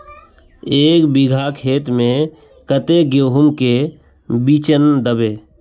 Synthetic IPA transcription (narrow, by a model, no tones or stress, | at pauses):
eːkbɪɡʱakʰeːt̪mẽ | kət̪eɡjoːɦʊmke | bit͡ʃənd̪əbeː